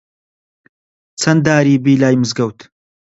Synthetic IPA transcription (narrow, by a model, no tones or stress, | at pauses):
t͡sʰɐnd̪aːɾiːbiːlaːjmɨzɡɐwt̪